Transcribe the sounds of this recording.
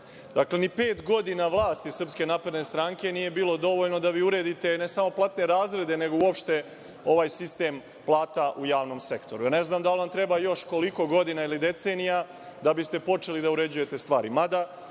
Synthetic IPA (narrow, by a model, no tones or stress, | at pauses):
d̪aklenipe̞ːt̪ɡo̞d̪inaʋlˠaːst̪isr̩pske̞naːpɾed̪ne̞st̪ɾaŋke̞nije̞biːlo̞d̪o̞ʋo̞ʎno̞d̪aʋiːuɾe̞ːd̪it̪e̞ne̞samo̞plat̪ne̞ɾaːzɾe̞d̪e̞ne̞ɡouo̞pʃt̪e̞ | o̞ʋaːjsist̪e̞ːm | plˠaːt̪aʔujaːʋno̞mse̞kt̪o̞ɾuane̞znaːmd̪alʋamt̪ɾe̞bajo̞ʃko̞liko̞ɡo̞d̪inailid̪e̞t̪se̞ːnija | d̪abist̪e̞po̞t͡ʃe̞lid̪auɾe̞d͡ʑuje̞t̪e̞st̪ʋaːɾimad̪a